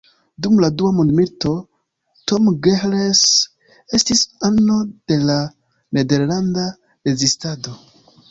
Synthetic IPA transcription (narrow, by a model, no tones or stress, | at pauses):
dumladuamundmilto̞ | to̞mɡeles | e̞stisanːo̞d̥e̞la | ne̞de̞ɾlanda | ɾe̞zistado̞